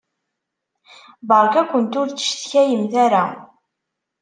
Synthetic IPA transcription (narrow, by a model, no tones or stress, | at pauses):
bəɾˤkækʷːənt̪ʊɾt͡sːə̥ʃθçæjəmθæɾa